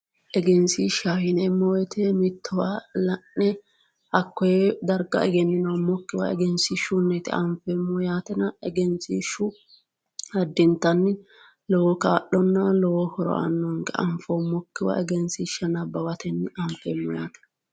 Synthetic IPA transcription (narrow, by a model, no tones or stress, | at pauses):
ʔɛɡɛnsiʃahɪnɛmːɔwɛt̪ɛmɪt̪ːɔwalɐnːɛ | ɐkːɔjɛd̪ɐɾɡɐ̰ɛɡɛnːɪnɐwmɔkːɪwɐ̰ɛ̰ɡɛnsiʃʊnːɛt̪ɪʔɐmfɛmːɔjaːt̪ɛnɐɛɡɛnsiʃʊ | hɐd̪ːɪnt̪ːɐnːɪ | lɔwɔkaːɗɔnːɐlɔwɔhɔɾɔ̰ɐ̰nːɔŋɡɛ̰ʔɐ̰mfɔmɔkːɪwɐ̰ʔɛɡɛnsiʃɐnɐbɐwɐt̪ɛnːɪɐmfɛmːɔjaːt̪ɛ̥n